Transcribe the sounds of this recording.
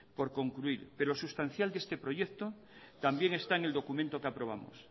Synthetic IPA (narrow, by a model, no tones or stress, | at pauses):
po̞ɾko̞ŋkluiɾpeɾoosust̪an̟θjald̪e̞st̪epɾo̞ʝekt̪o̞ | t̪ambjeŋest̪aeŋe̞ld̪o̞kumẽnt̪o̞keapɾo̞β̞a̰mo̰s